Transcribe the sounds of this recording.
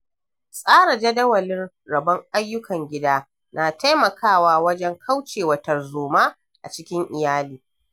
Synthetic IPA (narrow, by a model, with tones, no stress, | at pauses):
sʼaː˦ɽa˨d͡ʒɐ˦dɐ˦wɐ˨lɪ˦n | ɽɐ˨bɐ˦ŋʔa˦jːʊ˦kʰɐ˨ŋɡʲɪ˦daː˦ | na˨ta˦jmɐ˨kʰaː˦˨waː˦wɐ˦d͡ʒɛ˦ŋkʰa˦wt͡ʃeː˨wɐ˨tɐ˨rzoː˨maː˦ | ʔa̰˨t͡ʃɪ˦kʲɪ˦ŋʔɪ˨jaː˦liː˨